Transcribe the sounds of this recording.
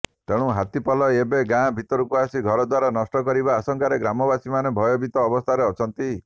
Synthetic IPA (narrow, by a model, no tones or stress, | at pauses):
t̪eɽ̃ũɦat̪ipɔlɔebeɡãbʱit̪ɔɾukuasiɡʱɔɾɔd̪waɾanɔsʈɔkɔɾibaːsɔŋkaɾeɡɾamɔbasimanebʱɔjɔbit̪ɔːbɔst̪ʰaɾeɔt͡ʃʰɔnt̪i